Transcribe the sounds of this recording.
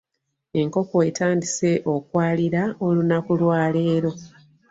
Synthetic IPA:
e̞ŋko̞koetaːndise̞ʔo̞kwaːliɾao̞lunakulwaːle̞ːɾo̞

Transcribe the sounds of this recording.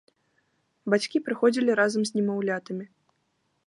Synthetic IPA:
bat͡sʲkʲipɾɨxɔd͡zʲilʲiɾazɐmzʲnʲimawlʲat̪ɨmʲi

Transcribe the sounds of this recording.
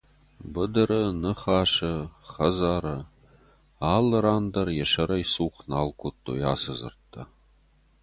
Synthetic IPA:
bɨd̪ɨɾənɨχɑːʃɐχɐzaːɾɐ | ɑːlːəɾaːnd̪ɐrjɛʃɐɾɐjsuːχnaːlˠkʷʰot̪ʰːo̰ja̰ːsəzɨ̰rt̪ʰːɐ

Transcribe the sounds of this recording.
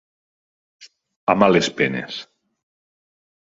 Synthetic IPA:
amalespenḛs

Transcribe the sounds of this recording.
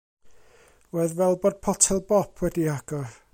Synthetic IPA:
woðwɛlˠbod̥̚pʰɔtʰɛlˠbɔpʰwɛdiaɡ̥ɔ

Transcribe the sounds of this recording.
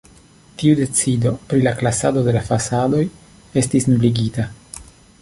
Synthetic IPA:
tiude̞t͡sido̞pɾilaklasado̞de̞lafasado̞j | e̞stisnubliɡita

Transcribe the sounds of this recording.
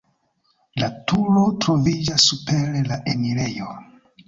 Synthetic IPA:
latuɾo̞tɾo̞vid͡ʒasːupe̞ɾelaʔeniɾe̞jo̞

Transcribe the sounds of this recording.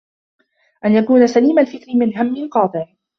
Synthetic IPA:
ʔanjakuːnasaliːmalfɪk̪nɪmɪnɦamːɪnqɑːt̪ˤɪʕ

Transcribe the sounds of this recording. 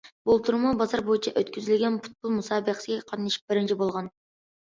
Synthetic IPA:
bolˠp̚t̪ʰʊɾmɑwbɑzɑɾbojɪnt͡ʃʰɑʔɵt̪kʲʰyzɪlʲɡʲenpʰʊ̥t̪̚bolˠmusɑbeqsɡʲeqʰɑt̪niʃɪ̥q̚b̥ɪɾɪnt͡ʃʰɪbolˠʁɑn

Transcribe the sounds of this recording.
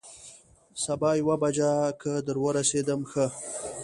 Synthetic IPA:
sabɑjwabad͡ʒakʰəd̪əɾwəɾased̪əmxə

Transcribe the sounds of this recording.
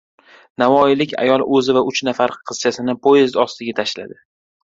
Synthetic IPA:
navɒɪlɪkʲʰa̰jɒlˠʔɵzɪvaʊt͡ʃnafaɾqʰɨz̥t͡ʃʰasɪnɪpʰojezd̪ɒst̪ɪɡʲat̪ʰaʃla̰d̪ɪ

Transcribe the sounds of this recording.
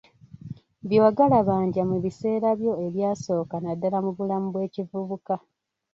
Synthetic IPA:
βjowaɡalaβaːɲɟamuβise̞ːɾaβjo̞eβjaːso̞ːkanadːalamuβulamuβwe̞ːcivuβuka

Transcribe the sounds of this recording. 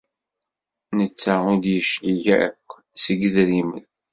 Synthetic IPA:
nət͡sːæʊd̪jəʃliʝæ̰kʷː | səɡəðɾimə̰n

